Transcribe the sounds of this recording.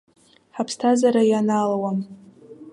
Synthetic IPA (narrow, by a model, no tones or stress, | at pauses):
ħapʰstʰazaɾajanalawam